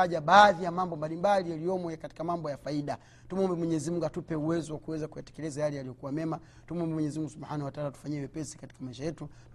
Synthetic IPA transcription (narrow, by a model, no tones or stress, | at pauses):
aʄaɓaːðijamambɔmbalimbalijalijɔmwɛɛkati̥kamambɔjafaiɗa | tumuɔmbɛmwɛɲɛzimuŋɡatupɛuwɛzɔwakuwɛzakujatɛ̥kɛlɛzajalijalijɔkuwamɛma | tumuɔmbɛmwɛɲɛzimuŋɡusuɓħanawataalatu̥faɲɛwɛpɛsi̥kati̥kamaiʃajɛtu